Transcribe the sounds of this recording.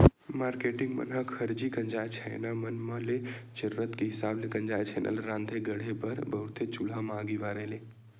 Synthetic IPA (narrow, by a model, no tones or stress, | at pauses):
maːɾkeʈɪŋɡmə̰nɦəkhəɾd͡ʒikənd͡ʒajt͡ʃʰə̰namənməlet͡ʃəɾɾət̪keɦisaːblekənd͡ʒajt͡ʃʰenʔə̰lɾãːnd̪ʱeɡəɽ̤ebəɾbəɦut̪et͡ʃulamãɡiʋaɾele